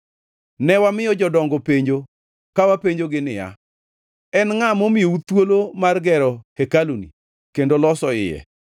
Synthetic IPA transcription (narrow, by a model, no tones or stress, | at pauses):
nɛwamɪjɔd͡ʒɔdɔŋɡopeɲd͡ʒo | kawapeɲd͡ʒoɡɪnɪja̰ | ɛnŋamomɪjout̪wolomarɡɛɾɔhekalonḭ | kendolɔsɔɪ̰jɛ̰